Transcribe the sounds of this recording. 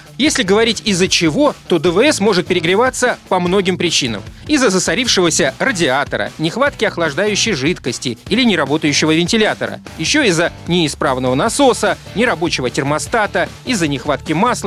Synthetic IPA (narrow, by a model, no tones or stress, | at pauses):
jesʲlʲɪɡəvɐɾʲitʲɪzːət͡ɕɪvo̞t̪o̞d̪əvəɛsmo̞ʐɨt̪̚pʲɪɾʲɪɡɾʲɪvat̪sːəpɐmno̞ɡʲɪmpɾʲɪt͡ɕinə̰mɪzːəzəsɐɾʲifʂɨvəsʲərədʲɪat̪əɾə̰nʲɪxvat̪kʲɪɐxlˠɐʐd̪ajʉɕːɪjʐɨt̪kəsʲtʲɪilʲɪnʲɪɾɐbo̞t̪əjʉɕːɪvəvʲɪnʲtʲɪlʲat̪əɾə̰jɪɕːoɪzːənʲɪɪspɾavnəvənɐso̞sənʲɪɾɐbo̞t͡ɕɪvətʲɪrmɐst̪at̪əizːənʲɪxvat̪kʲɪmaslˠə